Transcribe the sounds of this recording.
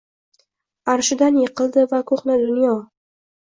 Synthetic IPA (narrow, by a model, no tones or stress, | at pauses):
aɾʃɪd̪anjeqʰɨlˠd̪ɪvakʰoχnɪd̪ʊnjɒ